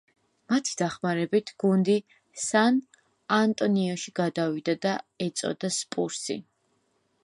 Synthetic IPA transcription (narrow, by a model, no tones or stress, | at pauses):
mat̪ʰi̥d̪̥aχmaɾɛbit̪ʰɡ̥und̪i | san | ant̪ʼɔniɔʃiɡ̥ad̪avid̪ad̪aɛt̪sʼɔ̰d̪aspʼuɾsḭ